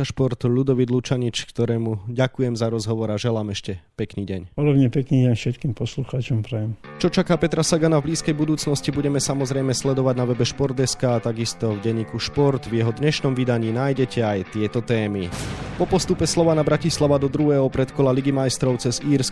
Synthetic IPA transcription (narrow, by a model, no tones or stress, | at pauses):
aʃpɔɾt̪uʎud̪ɔʋid̪lut͡ʃaɲit͡ʃkt̪ɔɾɛːmuɟakujɛmzaɾɔzɦɔʋɔɾaʒɛlaːmɛʃcɛpɛkniːɟɛɲpɔd̪ɔbɲɛpɛkniːɟɛɲfʃɛt̪̚kiːmpɔsluxaːt͡ʃɔmpɾɛjɛmt͡ʃɔt͡ʃakaːpɛt̪ɾasaɡanavbliːskɛjbud̪uːt͡snɔscibuɟɛmɛsamɔzɾɛjmɛslɛd̪ɔʋaɟnaʋɛbɛʃpɔɾd̪ɛskaːt̪aɡist̪ɔvɟɛɲːiːkuʃpɔɾt̪vjɛɦɔd̪ɲɛʃnɔmʋid̪aɲiːnajɟɛcʰɛajt̪ɪɛt̪ɔt̪ɛːmipɔpɔst̪upɛslɔʋanabɾacislaʋad̪ɔd̪ɾuɦɛːɦɔpɾɛt̪kɔlaliɡimajst̪ɾɔʊt͡sɛziːɾsk